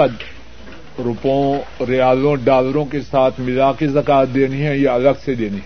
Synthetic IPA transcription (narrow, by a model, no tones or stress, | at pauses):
ɐd̪ | ɾʊpõɾɪaːlõːɖaːləɾõkesaːt̪ʰmɪlaːkizɐkaːt̪̚d̪eːniɦɛ̃jeɐləɡsed̪eːniɦɛ̃